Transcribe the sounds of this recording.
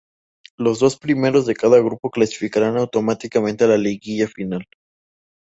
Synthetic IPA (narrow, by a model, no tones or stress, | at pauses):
lo̞zðo̞spɾime̞ɾo̞zðe̞kaðaɣ̞ɾupo̞klasi̥fikaɾanawt̪o̞mat̪ikamẽnt̪ealaleɣiʝafinal